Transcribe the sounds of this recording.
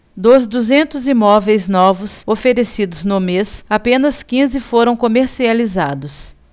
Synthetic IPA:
d̪ozd̪uzẽnt̪ʊzimɔvejznɔvʊsofeɾesid̪ʊznʊmesapẽnɐskĩzɪfoɾɐ̃w̃komeɾsializad̪ʊs

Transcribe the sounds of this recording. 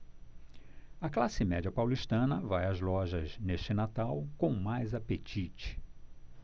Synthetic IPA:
ɐklasɪmɛd͡ʒiɐpawliʃt̪ɐ̃nɐvajɐzlɔʒɐzneʃt͡ʃɪnat̪awkõw̃majzapet͡ʃit͡ʃɪ̥

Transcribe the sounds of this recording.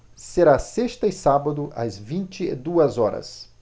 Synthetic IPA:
seɾaseʃt̪ɐɪsabɐd̪ʊʔɐ̰zvĩnt͡ʃɪḛd̪uɐzɔɾɐ̰s

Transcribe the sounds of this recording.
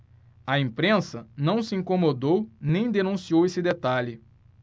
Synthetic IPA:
ɐẽpɾẽsɐnɐ̃w̃sɪĩŋkõmod̪ownẽj̃d̪enũsiowesɪd̪et̪aʎɪ

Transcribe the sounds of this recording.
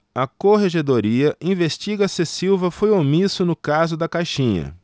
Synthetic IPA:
ɐkoɦeʒed̪oɾiɐĩveʃt͡ʃiɡɐsesiwvɐfojomisʊnʊkazʊd̪ɐkajʃĩɲɐ̰

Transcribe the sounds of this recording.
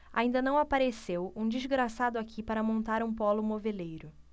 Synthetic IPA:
a̰ĩnd̪ɐnɐ̃w̃apaɾesewũd͡ʒizɡɾasad̪ʊakʰipaɾɐmõnt̪aɾũpɔlʊmovelejɾʊ

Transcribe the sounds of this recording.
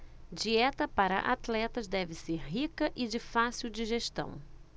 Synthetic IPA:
d͡ʒiɛt̪ɐpaɾɐ̰ʔa̰t̪lɛt̪ɐzd̪ɛvɪseɾɦikɐʔɪd͡ʒɪfasiwd͡ʒiʒeʃt̪ɐ̰̃w̃

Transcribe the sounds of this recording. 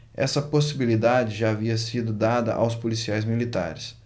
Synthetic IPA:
ɛ̰sɐposibilid̪ad͡ʒɪʒaːviɐsid̪ʊd̪ad̪ɐ̰ʔa̰wspolisiajzmilit̪a̰ɾɪs

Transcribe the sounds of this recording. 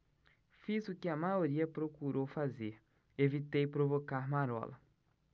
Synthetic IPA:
fizʊkɪɐmajoɾiɐpɾokuɾowfazeɾ | evit̪ejpɾovokaɾmaɾɔ̰lɐ

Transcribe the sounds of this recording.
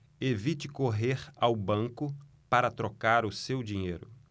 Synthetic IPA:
evit͡ʃɪkoɦeɾawbɐ̃ŋkʊ | paɾɐt̪ɾokaɾʊsewd͡ʒiɲejɾʊ

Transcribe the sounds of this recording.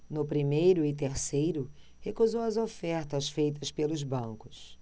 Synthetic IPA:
nʊpɾimejɾʊɪt̪̬eɾsejɾʊ | hekuzowɐzofɛɾt̪ɐsfejt̪̬ɐspelʊzbɐ̃ŋkʊ̥s

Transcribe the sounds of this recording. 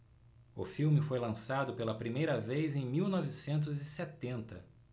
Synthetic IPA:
ʊ̰fiwmɪfojlɐ̃sad̪ʊpelɐpɾimejɾɐvejzẽj̃miwnɔvɪsẽnt̪̬ʊzɪset̪ẽnt̪ɐ

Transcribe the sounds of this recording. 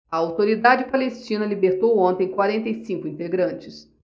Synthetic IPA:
ɐawt̪oɾid̪ad͡ʒɪpalest͡ʃĩnɐlibeɾt̪owõnt̪ẽj̃kwaɾẽnt̪ejsĩŋkʊĩnt̪eɡɾɐ̃nt͡ʃɪs

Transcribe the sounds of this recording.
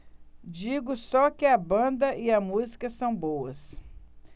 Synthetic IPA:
d͡ʒiɡʊsɔkɪɐbɐ̃nd̪ɐʔɪɐmuzikɐsɐ̃w̃bowɐs

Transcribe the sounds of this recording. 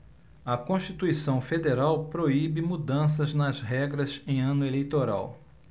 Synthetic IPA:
ɐkõʃt͡ʃit̪uisɐ̃w̃fed̪eɾawpɾoibɪmud̪ɐ̃s̬ɐznɐzɦɛɡɾɐzẽj̃ɐ̃nʊelejt̪oɾa̰w

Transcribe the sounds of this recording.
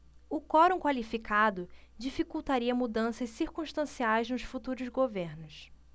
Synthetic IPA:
ʊkɔɾõkwalifikʰad̪ʊd͡ʒifikuwt̪aɾiɐmud̪ɐ̃sɐssiɾkũʃt̪ɐ̃siajznʊʃfut̪uɾʊzɡoveɾnʊs

